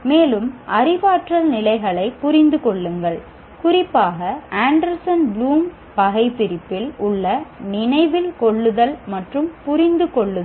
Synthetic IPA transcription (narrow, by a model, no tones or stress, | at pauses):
meːlɯmʔɐrɪʋaːʈrɐlnɪlɐɪɣɐɭɐɪpːʊɾɪnd̪ɯkɔɭːɯŋɡɐɭ | kʊrɪpːaːɣɐaːɳɖɐɾsɐnbluːm | pɐɣɐɪpːɪɾɪpːɪlʊɭːɐnɪnɐɪʋɪlkɔɭːɯðɐlmɐʈrɯmpʊrɪnd̪ɯkɔɭːɯ